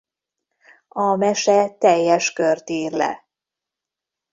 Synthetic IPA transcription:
ɒmɛʃɛt̪ɛjːɛʃkørt̪iːrlɛ̰

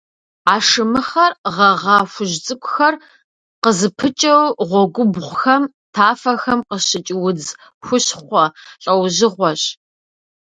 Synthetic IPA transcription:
aːʂɨmɨχɐrʁɐʁɑxʷʊʑt͡sʼɨkʷʼʊxɐr | qəzɨpʰɨt͡ʃʼɐwʁʷɔɡʷʊbʁʷxɐm | tʰaːfɐxɐmqəʃɕɪt͡ʃʼɪwʊd͡z | xʷʊɕχʷɔɬʼɐwʑɪʁʷɔɕ

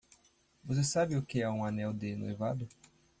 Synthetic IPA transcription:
vos̬esabɪʊkɪɛũanɛwd̪ɪno̰jvad̪ʊ

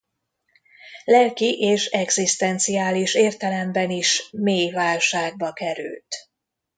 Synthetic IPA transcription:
lɛlkiʔeːʃɛɡzist̪ɛnt̪sijaːliʃeːrt̪ɛlɛmbɛniʃmeːjvaːlʃaːɡ̚bɒkɛɾy̰lt̪

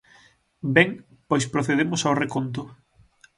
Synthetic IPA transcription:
bɛŋ | pojspɾoθeðemʊsawrekont̪̬ʊ

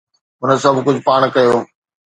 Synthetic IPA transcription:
ɦʊnə̆sɐbʱkʊd͡ʑʱʊpaːɽ̃kɐjoː

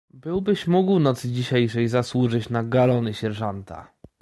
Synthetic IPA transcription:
bɘwbɘɕmuɡwnɔt̪sd͡ʑiɕejʂɛjzaswuʐɘt͡ɕnaɡalɔnɘɕɛɾʐant̪a̰

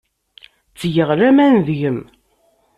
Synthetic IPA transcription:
t͡sːjəʁɾæmænðʝəm

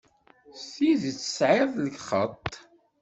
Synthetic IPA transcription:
sθiðt͡sːə̥sʕɪðˤləɡχət̪ˤː

